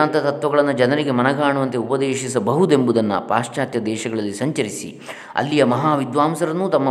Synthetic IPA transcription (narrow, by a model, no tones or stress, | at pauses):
aːnt̪ɐt̪ɐt̪ʋɐɡɐɭɐnːud͡ʒɐnɐɾiɡe̞mɐnɐɡaːɳuʋɐnt̪e̞upɐd̪eːʃisɐbɐɦud̪embud̪ɐnːɐ̰pa̰ːʂt͡ʃaːt̪jɐd̪ɛːʃɐɡɐɭɐlːisɐɲt͡ʃɐɾisḭ | ɐ̰lːijɐmɐɦaːʋid̪ʋaːmsɐɾɐnːut̪ɐmːɐ